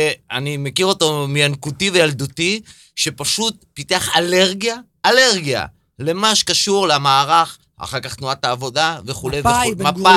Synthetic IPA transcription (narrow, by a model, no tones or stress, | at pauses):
eanimekiʁo̞t̪omejankutivejald̪ut̪i | ʃe̞paʃut̚pit̪eaχale̞ʁɡija | ʔːle̞ʁɡija̰ | le̞maʃkaʃuʁleamaːʁaχ | a̰χaʁkaχt̪nuat̪aːvo̞d̪ave̞χulejeaa